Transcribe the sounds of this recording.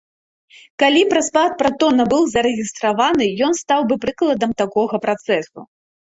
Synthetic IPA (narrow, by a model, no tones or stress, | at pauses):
kalʲipɾɐspˠat̪̚pɾat̪ɔnɐbɨwzɐɾɛɣʲist̪ɾavanɨjɔnst̪awbɨpɾɨklˠɐd̪ɐmt̪akɔɣɐpɾat̪sɛsṵ